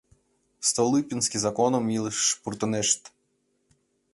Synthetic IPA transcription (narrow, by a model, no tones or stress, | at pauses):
st̪ɐlˠɪpʲinsʲkʲɪzɐkɔnɔmʲilˠɪʃpʊɾt̪ʊnɛʃt̪